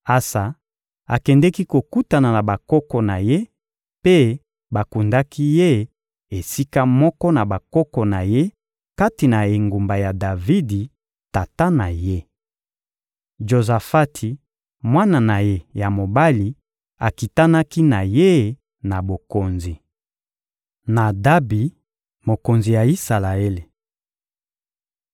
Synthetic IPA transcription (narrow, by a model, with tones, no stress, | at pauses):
a˨sa˨ | a˨kɛ˨ndɛ˦ki˦ko˨ku˦ta˨na˨na˨ba˨kɔ˦kɔ˨na˨je˦ | pe˦ | ba˨ku˨nda˦ki˦je˦ | e˨si˦ka˦mɔ˦kɔ˦na˨ba˨kɔ˦kɔ˨na˨je˦ | ka˦ti˨na˨e˨ŋɡu˨mba˨ja˨da˨vi˦di˨ | ta˨ta˦na˨je˦ | ʒo˨za˨fa˦tʰi˨ | mwa˦na˨na˨je˦ja˨mo˨ba˦li˨ | a˨ki˨ta˦na˦ki˦na˨je˦ | na˨bo˨ko˨nzi˨ | na˨da˦bi˨ | mo˨ko˨nzi˨ja˨i˦sa˨la˨e˦le˨